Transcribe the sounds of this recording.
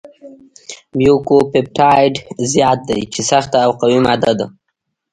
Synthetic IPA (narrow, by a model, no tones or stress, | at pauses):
mjukopɪp̚ʈɑjɖzjɑt̪̚d̪a̰jt͡ʃesaxt̪aːwqawimad̪ad̪a